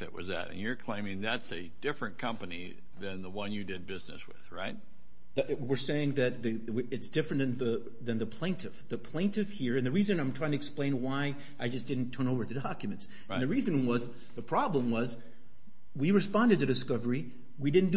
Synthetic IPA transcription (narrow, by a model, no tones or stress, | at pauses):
ɨ̰ʔwʌ̰zðɨ̰ɾɨ̰̃njə˞kʰl̥ẽɪ̃mɪ̃ŋðætsɨ | dɪfɹɨ̃nkʰʌ̃mpɨnḭ | ðɨ̃nðəwʌ̃njɨdɨd̚bɪznɨ̰swɪ̰ð̥ɹa̰ɪt̚ | ðɨwɪɹseɪɪ̃ŋðɨt̪̚ði | wɨtsd̥ɪfɹɨnðɨ̃nðɨ | ðɨ̃nðɨpʰl̥ẽɪ̃ntʰɨfðɨpʰl̥ẽɪ̃ntɨfhiɹɨ̃nðɨɹizɨ̃nãɪ̃mtʰɹ̥aɪɪ̃ŋtʰɨɨksplẽɪ̃nwaɪ | ʔaɪd͡ʒʌsd̥ɪdⁿn̩tʰɜ̃˞noʊvə˞ðɨdɑkjmɨ̃nts | nðɨɹizɨ̃nwʌz | ðɨpʰɹ̥ɑblə̃mwʌz | wiɹɨspɑ̃ndɨd̪̚tɨɾɨskʌvə˞i | widɪdⁿn̩d